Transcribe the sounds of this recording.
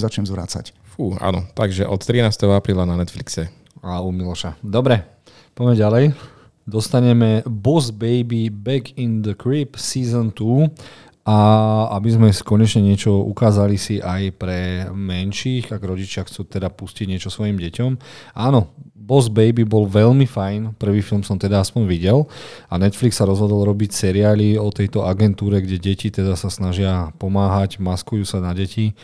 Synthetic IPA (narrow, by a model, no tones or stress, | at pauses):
zat͡ʃɲɛmzʋɾa̰t͡sa̰cfuːa̰ːnɔt̪aɡʒɛʔɔt̪t̪ːɾinaːst̪ɛɦɔapɾiːlananɛt̪fliksɛ | aumilɔʃad̪ɔbɾɛ | pɔjmɛɟalɛj | d̪ɔst̪aɲɛmɛbɔzbɛjbibɛkind̪əkɾipsiːzɔnt̪uː | ʔaabizmɛskɔɲɛt͡ʃɲɛɲɪɛt͡ʃɔṵkaːzalisiʔajpɾɛmɛnʃiːɣaɡɾɔɟit͡ʃɪaxt͡suːt̪ɛd̪apusciɟɲɪɛt͡ʃɔsʋɔjimɟɛcɔmʔaːnɔbɔzbɛjbibɔlʋɛʎmifajnpr̩ʋiːfilmsɔmt̪ɛd̪aaspɔɲʋiɟɛlanɛt̪fliksaɾɔzɦɔd̪ɔlɾɔbicsɛɾiaːliɔt̪ɛjt̪ɔʔaɡɛnt̪uːɾɛɡɟɛɟɛcit̪ɛd̪asasnaʒɪapɔmaːɦaɟmaskujuːsanaɟɛci